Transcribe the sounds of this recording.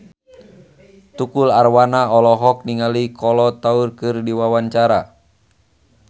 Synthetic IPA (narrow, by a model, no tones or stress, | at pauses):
t̪ukularwanaɔlɔɦɔk̚niŋalikʰɔlɔt̪aurkɨrdiwawaɲt͡ʃaɾa